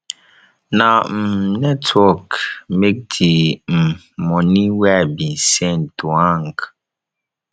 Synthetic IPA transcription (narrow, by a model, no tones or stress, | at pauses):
nam̩nɛtʰwɔkmek̚tʰim̩ | mɔniwɛbinsɛ̃ntuaŋk